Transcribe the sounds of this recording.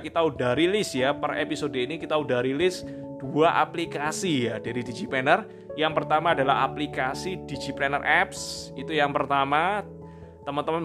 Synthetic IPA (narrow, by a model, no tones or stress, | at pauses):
kit̪audaɾilɪsjapərḛpisodoinikit̪audaɾilɪs | d̥uaʔa̰plikasijad̥aɾidid͡ʒipɛnər | jaŋpərt̪amaːdalaɦa̰plikasid̥id͡ʒiplɛnərʔɛp̚sit̪ujaŋpərt̪ama | t̪əmənt̪əmən